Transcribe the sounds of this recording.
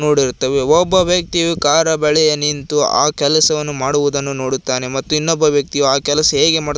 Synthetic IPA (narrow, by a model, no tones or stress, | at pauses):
no̞ːɽiɾtt̪ːɐʋeɔbːɐʋjɐk̚t̪iʋekaːɾɐbɛɭɛjɐnint̪ua̰ːkɛlɐsɐʋɐnːumaːɽuʋud̪ɐnːuno̞ːɽut̪ːaːnemɐt̪ːuinːɔbːɐʋjɐk̚t̪iʋaːkɛlɐsɐɦeːɡe̞maːɽ